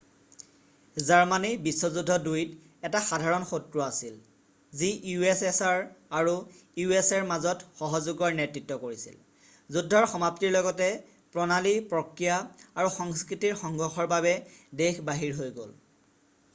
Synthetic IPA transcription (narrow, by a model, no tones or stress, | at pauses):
zaɹmanibisːɔzudʱːɔdujt | ɛtaxadʱaɹɔnxotɹɔasil | ziuesɛsaɹaɹu | juesɛɹmazɔtxɔɦɔzuɡɔɹnɛtɹitːɔkoɹisḭl | zudʱːɔɹxɔmaptiɹlɔɡɔtɛ | pɹɔnalipɹɔkɹijaaɹuxɔŋskɹitiɹxɔŋɡɔxɔɹbabɛdexʰbaɦiɹɦojɡo̰l